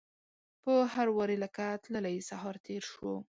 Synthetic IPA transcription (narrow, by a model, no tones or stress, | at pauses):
pəhaɾwɑɾeləkat̪ləlajsaɦɑɾt̪ʰeɾʃwo